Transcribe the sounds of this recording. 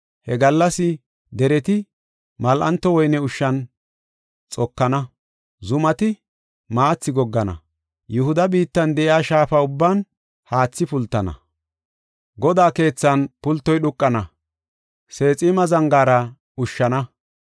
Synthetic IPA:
hɛɡɐlːɐsɪ | d̪ɛɾɛt̪ɪ | mɐlʔɐ̰nt̪ːɔwɔjnɛʊʃːɐn | t͡sʼɔkːɐnɐ | zʊmɐt̪ɪ | maːt͡sːɪɡɔɡːɐnɐ̰ | jɛhʊd̪ɐbiːt̪ːɐnd̪ɛʔɪaːʃaːfɐʊbːaːn | haːt͡sːɪpʊlt̪ːɐnɐ̰ | ɡɔd̪aːke̞ːt͡sːɐnpʊlt̪ːɔjɗʊkʼːɐnɐ | se̞ːt͡sʼɪmɐzɐŋɡaːɾɐ | ʊʃːɐnɐ

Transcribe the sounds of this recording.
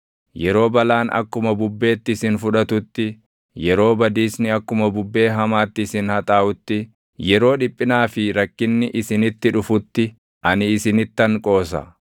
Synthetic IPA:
jɛɾo̞ːbɐlaːnɐ̰kːʊmɐbʊbːe̞ːt̪ːɪsɪnfʊᶑɐt̪ʊt̪ːɪ | jɛɾo̞ːbɐd̪iːsnɪɐkːʊmɐbʊbːe̞ːɦɐmaːt̪ːɪːsɪnhɐt̪ʼaːʔʊt̪ːɪ | jɛɾo̞ːᶑɪpʼːɪnaːfɪɾɐkːɪnːɪʔɪsɪnɪt̪ːɪᶑʊfʊt̪ːɪ | ʔɐnɪːsɪnɪt̪ːɐŋkʼo̞ːsɐ̰

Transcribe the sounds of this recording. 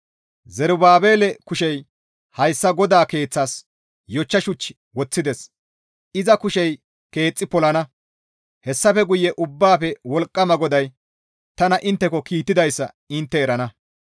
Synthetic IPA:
zɛɾʊbaːbe̞ːlɛkʊʃɛj | hɐjsːɐɡɔd̪aːke̞ːt͡sːaːs | jɔt͡ʃːɐʃʊt͡ʃːɪ̥ | wɔt͡sːɪd̪ɛs | ɪzɐkʊʃɛj | ke̞ːt͡sʼːɪpɔlɐnɐ | hɛsːɐpɛɡʊjːɛʔʊbːaːpɛwɔlkʼːɐmɐɡɔd̪ɐj | t̪ɐnɐʔɪnt̪ːɛkɔkiːt̪ːɪd̪ɐjsːɐ̰ | ɪnt̪ːɛːɾɐnɐ

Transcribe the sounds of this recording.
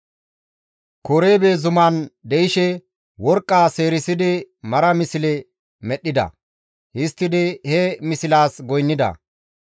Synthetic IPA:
koɾeːbe̞ːzʊmaːnd̪ɛjɪʃɛ | wɔɾkʼːaːse̞ːɾɪsɪd̪ɪmɐɾɐmɪsɪlɛ | mɛɗːɪd̪ɐ̰ | hɪst̪ːɪd̪ɪhɛmɪsɪlaːsɡɔjnːɪd̪ɐ̰

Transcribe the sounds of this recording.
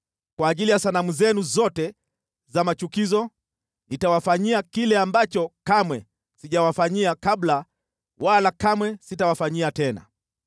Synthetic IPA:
kwaːʄilijasanamuzɛnuzɔtɛ | zamat͡ʃukizɔ | nitawafaɲiakilɛambat͡ʃɔkamwɛ | siʄawafaɲiakabla | walakamwɛsitawafaɲiatɛna̰

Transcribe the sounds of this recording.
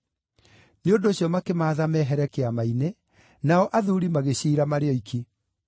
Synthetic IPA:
neondoːɕjɔmakemaːðamɛɦɛɾɛkeamaine | naɔʔaðuɾimaɣeɕiːɾamaɾeɔikʰi

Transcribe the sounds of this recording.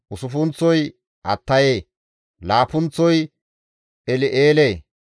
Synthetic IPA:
ʔʊsʊfʊnt͡sːɔj | ʔɐ̰t̪ːɐjeː | laːpʊnt͡sːɔj | ʔɛlɪʔeːleː

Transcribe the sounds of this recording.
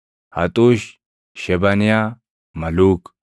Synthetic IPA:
hɐt̪ʼuːʃ | ʃɛbɐnɪjaː | mɐluːk

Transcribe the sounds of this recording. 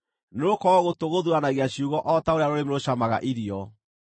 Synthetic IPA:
nokɔɣotoɣoðuanaɣeaɕiuɣɔʔɔtaoɾeaɾoɾemoɾoɕamaɣa̰ʔiɾiɔ

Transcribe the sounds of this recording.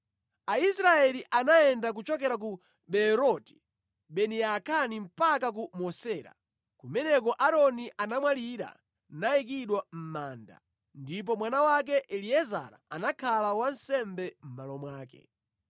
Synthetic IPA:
aisɾaɛliʔanaɛndak̬ut͡ʃɔk̬ɛɾak̬u | ɓɛɾɔti̥ | ɓɛnɛakʰanim̩pakak̬umɔsɛːɾa̰ | kumɛnɛk̬ɔʔaɾɔniʔanamwaliɾa̰ | naik̬iɗwam̩maːnda̰ | ndip̬ɔmwanawak̬ɛʔɛliɛza̰ɾa̰anakʰalawan̩sɛmbɛm̩malɔmwaːkɛ̰

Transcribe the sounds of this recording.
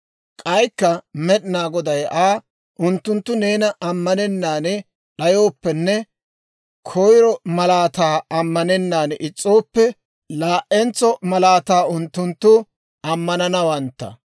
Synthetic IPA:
kʼɐjkːɐmɛɗɪnaːɡɔd̪ɐjaː | ʔʊnt̪ːʊnt̪ːʊne̞ːnɐʔɐmːɐnɛnːaːnɛ | ɗɐjo̞ːpːɛnːɛ | kʰɔjɾɔmɐlaːt̪aːɐmːɐnɛnːaːnʔɪt͡sʼːo̞ːpːɛ | laːʔɛnt͡sːɔmɐlaːt̪aːʊnt̪ːʊnt̪ːʊ | ɐmːɐnɐnɐwɐnt̪ːɐ̰

